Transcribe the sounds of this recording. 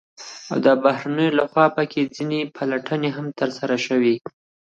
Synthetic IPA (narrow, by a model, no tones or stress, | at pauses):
a̰wd̪əbahɾanəjolaxwɑpəkʰed͡zinepʰalaʈʰəneɦamt̪əɾsaɾaʃəwi